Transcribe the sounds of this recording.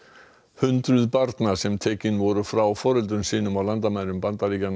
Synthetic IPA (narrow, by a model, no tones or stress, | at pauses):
hʏnt̪ɾʏðpaɾt̪nḁsɛmt̪ʰeːcɪnvɔɾʏfɾawfɔːɾʏlt̪ʏnsiːnʏmawlant̪amajɾʏmpant̪aliːcan